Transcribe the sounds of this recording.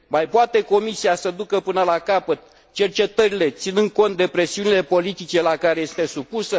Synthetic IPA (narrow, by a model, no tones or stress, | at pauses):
majpoat̪e̞ko̞misiasəd̪ukəpɨnəlakapət̪ | t͡ʃe̞rt͡ʃe̞t̪əɾile̞t̪sinɨnd̪̚ko̞nt̪̚d̪e̞pɾe̞siunile̞po̞lit̪it͡ʃe̞lakaɾe̞jest̪e̞supusə